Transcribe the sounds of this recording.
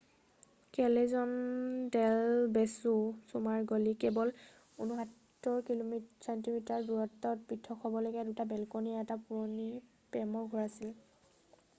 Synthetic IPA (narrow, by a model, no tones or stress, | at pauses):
kɛlezɔndɛlbɛsusumaɹɡolikɛbɔl | unuɦatː | ɔɹkilomisantimitaɹduɹɔtːɔt̚pitʰːɔkʰɔbɔlojɡɛdutabɛlkoniaɛtapuɹoni | pɛmɔɹɡʱuɹasil